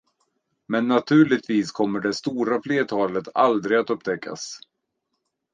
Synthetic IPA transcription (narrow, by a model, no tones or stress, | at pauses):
mɛnːat̪ʰʉ̟ːɭɪt̪viːskʰɔmːəɖɛst̪uːɾafleːt̪ʰɑːlət̪a̰ld̪ɾɪɡat̪ɵpːt̪ʰɛkːa̰s